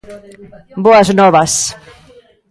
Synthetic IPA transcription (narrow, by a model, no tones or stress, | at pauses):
boɐznɔβɐs